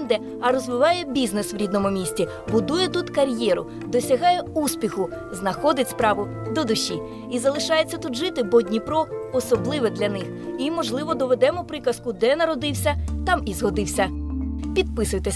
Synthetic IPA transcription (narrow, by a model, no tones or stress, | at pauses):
d̪ɛ | ɐɾɔzʋɪʋɑjɛbʲiznesʋɾʲid̪nɔmʊmʲisʲtʲi | bʊd̪ujɛt̪ut̪kɐɾʲjɛɾʊ | d̪ɔsʲɐɦɑjɛuspʲixʊ | znɐxɔd̪ɪtʲspɾɑʋʊ | d̪ɔd̪ʊʃʲːi | izɐlˠɪʃɑjet͡sʲːɐt̪ud̪ʒɪt̪ɪbɔdʲnʲipɾɔɔsɔblˠɪʋɛd̪lʲɐnɪximɔʒlˠɪʋɔd̪ɔʋed̪ɛmɔpɾɪkɐskʊd̪ɛnɐɾɔd̪ɪwsʲɐt̪ɑmizɦɔd̪ɪwsʲɐpʲid̪̚pɪsʊjt̪e